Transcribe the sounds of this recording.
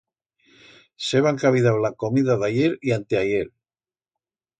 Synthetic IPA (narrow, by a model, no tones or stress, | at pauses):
seβaŋkaβiðawlako̞miðaðajeɾiant̪eajeɾ